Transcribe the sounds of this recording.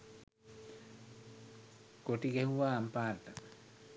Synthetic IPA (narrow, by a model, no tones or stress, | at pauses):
koʈiɡehɦuʋaːmpaːrt̪a